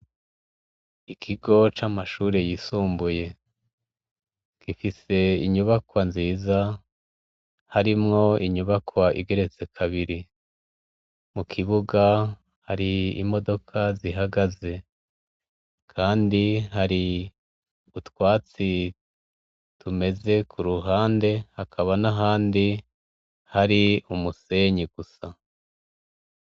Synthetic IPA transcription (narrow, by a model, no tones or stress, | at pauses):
ikʰiɡo̞t͡ʃamaʃuːɾe̞jisuːmbuje̞ | kifise̞iɲuβakwanziːza | haɾimŋo̞iɲuβakwaʔḭɡe̞ɾe̞t͡se̞kʰaβiɾi | mukʰiβuɡa | haɾiḭmo̞do̞kʰaziɦaɡaze̞ | kʰaːndiɦaɾi | utwaːt͡si | tʰume̞ze̞kʰuɾuɦaːnde̞hakʰaβanaɦaːndi | haɾiumuse̞ɲiɡ̥usa